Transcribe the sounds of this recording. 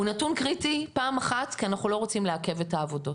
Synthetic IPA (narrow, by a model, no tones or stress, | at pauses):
unatunkʁitipaːmaχatkianaχulo̞ʁo̞t͡simleake̞vetaːvo̞do̞t